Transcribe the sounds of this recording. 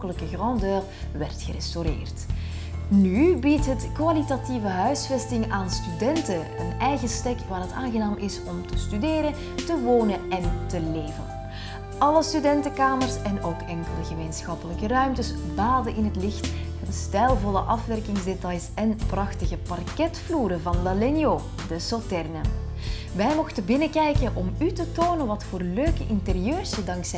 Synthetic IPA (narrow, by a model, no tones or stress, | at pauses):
kələkəɣrɑndøːr | ʋɛrtxəɾɛstoɾɪ̰ːrt | nybitɦətkʋalitativəɦœɥsfɛstɪŋaːnstydɛntə | ənɛjɣəstɛkʋaːrɦəta̰ːnɣənaːmʔɪsɔmtəstydeːɾə | təʋoːnəɛntəleːvə̰n | ɑləstydɛntəkaːmərsɛnoːkɛŋkələɣəmeːnsxɑpələkərœɥmtəsbaːdənʔɪnɦətlɪxt | ɑnstɛjlˠvɔləʔɑfʋɛrkɪŋzdetɑjsɛnprɑxtəɣəpɑrkɛtfluːɾəvɑndalɛnjoː | dəsotɛrnə | ʋɛjmɔxtəbɪnəkɛjkənʔɔmytətoːnəʋɑtfoːrløːkəʔɪntərijøːrsədɑŋksɛ